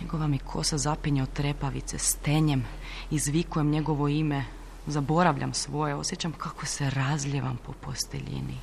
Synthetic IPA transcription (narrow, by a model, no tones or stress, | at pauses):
ɲeɡo̞ʋamjikʰo̞̰sazapiɲeot̪ɾe̞paʋḭt̪sest̪e̞ɲem | izʋikuje̞mɲe̞ɡo̞ʋo̞ime | zabo̞ɾaʋʎʲʔa̰msʋo̞jeo̞sjet͡ɕamkʰako̞seɾazʎʲeʋa̰mpo̞po̞st̪ḛʎḭnḭ